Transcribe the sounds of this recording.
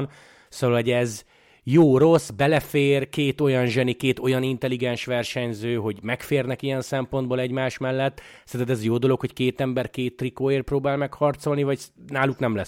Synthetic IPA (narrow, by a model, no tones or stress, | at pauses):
n | soːvɒlɦo̞ɟɛz | joːɾo̞sbɛlɛfeːrkeːt̪o̞jɒnʒɛnikeːt̪o̞jɒnint̪ɛliɡɛnʃʋɛrʃɛɲzøːɦo̞ɟmɛkfeːrnɛkijɛnsɛmpond̪bolɛɟmaːʃmɛlːɛt̪ː | sɛnt̪ɛzjoːd̪o̞lo̞kho̞ckeːt̪ɛmbɛrkeːt̪ːrikoːeːrproːbaːlmɛkhɒrt̪so̞lnivɒɟnaːluknɛmlɛ